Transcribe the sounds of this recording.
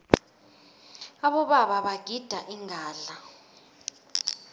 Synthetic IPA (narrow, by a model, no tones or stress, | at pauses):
aɓɔɓaɓaɓaɡ̥ʱid̥ʱaʔiŋʱaːɮa